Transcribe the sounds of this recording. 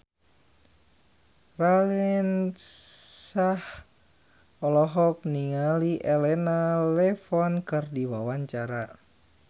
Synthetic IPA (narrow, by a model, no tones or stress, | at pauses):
ralɛn | sah | ɔlɔɦɔk̚niŋaliʔɛlɛnalɛfɔnkɨrdiwawaɲt͡ʃaɾa